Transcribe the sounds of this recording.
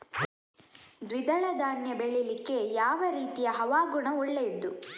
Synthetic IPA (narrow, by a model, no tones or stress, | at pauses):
d̪ʋid̪ɐɭɐd̪aːnjɐbeɭilikːe̞jaːʋɐɾiːt̪ijɐɦɐʋaːɡuɳɐuɭːed̪ːu